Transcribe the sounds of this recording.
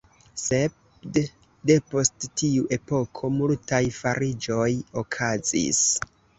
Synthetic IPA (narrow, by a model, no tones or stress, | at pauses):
se̞ | d | de̞po̞sttiuʔe̞po̞kʰo̞multajfaɾid͡ʒo̞jokʰazḭs